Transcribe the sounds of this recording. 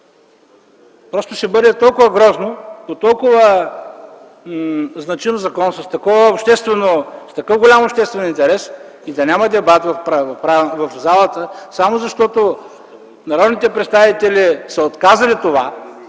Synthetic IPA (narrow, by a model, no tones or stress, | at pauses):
pɾɔst̪ʊsibəɾɛt̪ɔlˠkʊvəɡɾɔznopot̪ɔlˠkʊvə | znɐt͡ʃinozɐkɔnsəst̪ɐkɔvəopʃt̪ɛst̪vɛnost̪ɐkɤfɡolʲamopʃt̪ɛst̪vɛnint̪ɛɾɛs | id̪ɐnʲaməd̪ɛbat̪vɐfpɾavɐfpɾavɐfzalˠət̪əsamozɐʃt̪ɔt̪o | nɐɾɔd̪nit̪ɛpɾɛt̪st̪avit̪ɛlisɐot̪kazɐlit̪ova